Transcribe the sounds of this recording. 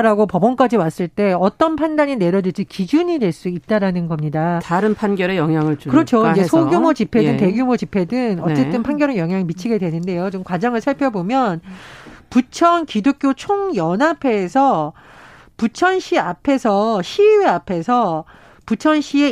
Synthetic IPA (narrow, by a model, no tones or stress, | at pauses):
ɾaɡopʌbʌnk͈ad͡ʑiwas͈ɯɭt͈e̞ʌt͈ʌnpʰandaɲine̞ɾjʌdɯɭd͡ʑʰikid͡ʑuɲidwe̞ɭs͈uit̚t͈aɾanɯnɡʌmɲidataɾɯnpʰanɡjʌɾejʌŋɦjaŋɯɭt͡ɕukɯɾʌt͡ɕʰoind͡ʑesʰoɡjumot͡ɕipʰe̞dɯnte̞ɡjumod͡ʑipʰe̞dɯŋʌt͡ɕ͈e̞tt͈ɯnpʰanɡjʌɾɯjʌŋɦjaŋimit͡ɕʰiɡe̞dwe̞nɯnde̞jot͡ɕomkwad͡ʑʌŋɯɭsʰaɭpʰjʌbomjʌnput͡ɕʰʌnkidok̚k͈jot͡ɕʰoŋjʌnapʰe̞ːsʰʌ | put͡ɕʰʌnɕʰiapʰe̞sʰʌɕʰiweapʰe̞sʰʌ | put͡ɕʰʌnɕʰie